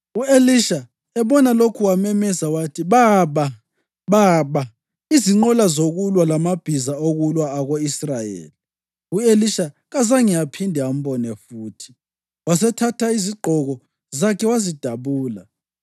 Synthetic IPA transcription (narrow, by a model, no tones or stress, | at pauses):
ueliʃa | ɛβɔnalokʰuwamɛmɛsawatʰiβaβa | βaβa | iziŋ͡ǃɔlazoɣulwalamab̥ʱizaoɣulwaːɣoisrajḛːli | ueliʃa | ɣazaŋijapʰindʱɛam̩βɔnɛfuːtʰi̥ | was̬ɛtʰatʰaiziɡ͡ǃʱɔɣɔ | zakʰɛwazid̥ʱaβuːla̰